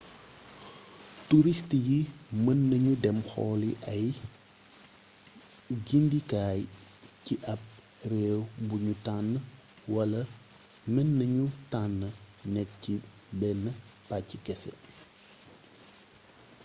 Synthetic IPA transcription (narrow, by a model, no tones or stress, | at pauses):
tuɾistjimənːɐɲudɛmxɔːliʔɐj | ɡindikaːj | ciʔɐp̚ | rɛːwbuɲutanːə | wɐlɐ | mənːɐɲutanːə | nɛk̚ci | bɛnːəpacːikɛsɛ̰